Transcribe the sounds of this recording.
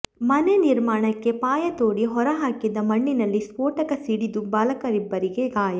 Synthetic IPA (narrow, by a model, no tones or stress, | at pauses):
mɐneniɾmaːɳɐkːe̞paːjɐt̪oːɽiɦɔɾɐɦaːkid̪ɐmɐɳːinɐlːispoːʈɐkɐsiɽid̪ubɐlɐkɐɾibːɐɾiɡe̞ɡaːjɐ